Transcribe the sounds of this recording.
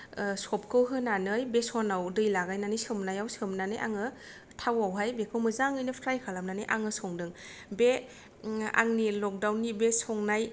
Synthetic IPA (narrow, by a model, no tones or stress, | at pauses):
sɔp̚kɯwɦɯnanɯjbesɔnawdɯjlaɡajnanɯjsɯmnajawsɯmnanɯjʔa̰ŋɯ | tʰawawɦajbekʰɯwmɯzaŋɯjnɯpʰɾajkʰalamnanɯjʔaŋɯsɔŋdɯŋ | be | a̰ŋnilɔk̚dawnːibesɔŋnaj